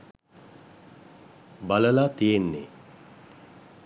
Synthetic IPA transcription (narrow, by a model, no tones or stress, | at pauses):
baləlaːt̪ijenːḛ